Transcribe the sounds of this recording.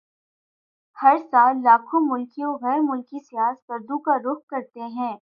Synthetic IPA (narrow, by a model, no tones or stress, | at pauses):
hɐɾsaːlːaːkʰõmʊlkijõɣɛːɾmʊlkisijaːskɐɾd̪ũkaɾʊkkɐɾt̪eɦɛ̃ː